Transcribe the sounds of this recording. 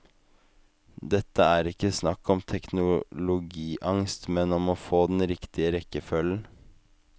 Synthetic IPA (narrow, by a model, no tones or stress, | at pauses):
d̪ɛt̪ːəæːɾɪkːəsnɑkːɔmt̪ʰɛknʊlʊɡiːʔɑŋst̪mɛnɔmoːfoːd̪n̩ɾɪkt̪ʰɪəɾɛkːəfœln̩